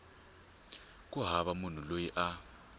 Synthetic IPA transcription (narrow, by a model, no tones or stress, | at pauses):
k̬ʼuɦaβamun̤ulojiʔa